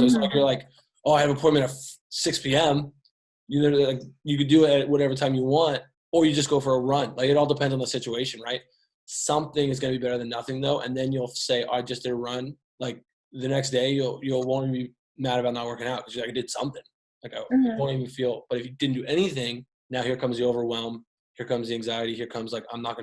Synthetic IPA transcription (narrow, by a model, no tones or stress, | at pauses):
kʌzaɪkjə˞laɪk | oʊaɪɨvəpʰɔ̃nmɨ̃ñʌv̥sɪkspʰiɛ̃m | jɨnoʊlaɪkjɨkɨdɨɪɾɨt̚wʌɾɛvə˞tʰãɪ̃mjɨwɑ̃nt̚ | ə˞jɨd͡ʒʌs̬ɡ̥oʊfə˞əɹʌ̃nlaɪkɨɾɔlˠdəpʰɛ̃ndzn̩ðəsɪt͡ʃueɪʃɨ̃nɹaɪt̚ | sʌ̃mθɪ̃ŋɨzɡʌnɨbibɛɾə˞ðɨ̃nːʌθɪ̃ŋðoʊʔɨ̰̃nðɨ̃njulˠseɪʔaɪd͡ʒʌsd̥ɨɾəɹʌ̃n | laɪk̚ | ðɨnɛksd̥eɪjulˠjɨlˠwõʊ̃nibi | mæɾɨbaʊtⁿnət̚wɜ˞kɪ̃ŋaʊt̚kʰʌzjəlaɪkdɨd̥sʌ̃mθɪ̃ŋ | laɪkaɪõʊ̃niṽn̩filˠb̥ʌɾɨfjɨdɪdⁿn̩d̥ɨʔɛñiθɪ̃ŋ | naʊhiɹkʰʌ̃mzðioʊvə˞wɛlˠm | hiɹkʰʌ̃mzðiæ̃ŋzaɪɨɾihiɹkʰʌ̃mzlaɪkã̰ɪ̃mnət̚ɡ̥ʌ